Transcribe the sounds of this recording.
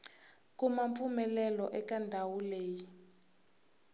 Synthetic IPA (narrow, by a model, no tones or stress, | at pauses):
kumaɱpfumɛlɛlɔʔɛkandʱawuleːji